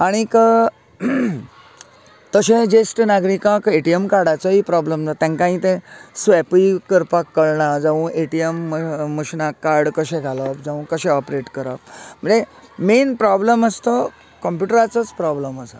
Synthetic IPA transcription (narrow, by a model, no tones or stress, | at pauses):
aɽ̃ikə | t̪əɕẽd͡ʑesʈnaɡɾikãkeʈiemkaɾɽat͡sɔɦipɾɔbləmd͡zat̪ãŋkãĩt̪ẽsʋɛpikəɾpakːəɭɳãd͡zãʋũʔeʈiemːəɕnakːaɾɽkəɕẽɡʱaləpd͡zãʋũkəɕɛɔpɾeʈkəɾəp̚m̤əɳd͡ze | menpɾɔbləməst̪ə | kɔmpjuʈəɾat͡sət͡spɾɔbləməsa